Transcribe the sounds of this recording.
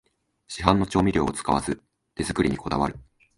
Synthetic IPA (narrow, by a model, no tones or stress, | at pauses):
ɕiɦãnːo̞t͡ɕo̞ːmʲiɾʲo̞̰ːt͡sɨ̥kaβa̰zɨ | d̪̥e̞zɨkɯ̟ɾʲiɲ̟iko̞d̪aβa̰ɾɯ̟